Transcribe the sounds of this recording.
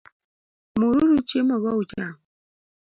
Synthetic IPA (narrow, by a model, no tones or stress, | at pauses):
muɾuɾut͡ʃemɔɣɔut͡ʃaŋ